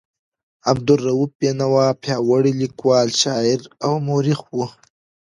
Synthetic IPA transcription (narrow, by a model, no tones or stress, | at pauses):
ab̚d̪ʊrːawup̚ːenawɑːpʰjɑːwaɽilikwɑːlʃɑːɪɾawmoːɾixwu